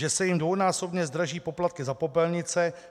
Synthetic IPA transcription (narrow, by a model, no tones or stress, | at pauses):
ɛsɛjɪmdvownaːso̞bɲɛzd̪ɾaʒiːpo̞plat̪̚kɪzapo̞pɛlɲɪt͡sɛ